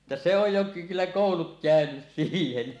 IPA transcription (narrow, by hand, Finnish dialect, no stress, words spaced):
ĕtːæ se oj jo ky kylːæ koˑulut kæˑønys siːhen